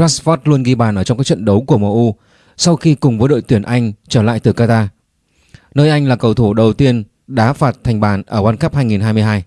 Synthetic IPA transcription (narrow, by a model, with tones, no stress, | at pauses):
aː˦˥sfɔ˦˥t̚lu˧ənɣi˧ɓaː˨˩nʔəː˧˩t͡ɕŋ͡mkaː˦˥k̚t͡ɕə̰˧˨nɗə˨˦wku˧˩əməː˨˧˩ʔu˧ | sa˧wxi˧kʊ˨˩ŋ͡mvəː˨˦jɗo̰˧˨jt̪wi˧˩ənʔa˧jŋ̟t͡ɕəː˧˩la̰ː˧˨jt̪ɨ˨˩kaː˧t̪aː˧ | nəː˧jʔa˧jŋ̟laː˨˩kə˨˩wt̪ʰu˧˩ɗə˨˩wt̪i˧ən | ɗa̰ː˨˦faː˨˩t̚t̪ʰɛ˨˩ŋ̟ɓaː˨˩nʔəː˧˩wa˧nxə˦˥p̚haː˧jŋi˨˩nɦaː˧jmɨ˧əjɦaː˧j